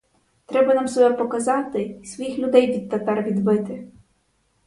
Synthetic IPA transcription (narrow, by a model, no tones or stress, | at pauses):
t̪ɾɛbɐnɑmsɔbɛpɔkɐzɑt̪ɪsʋɔjixlʲʊd̪ɛjʋʲit̪̚t̪ɛpɛrʋʲid̪bɪt̪ɪ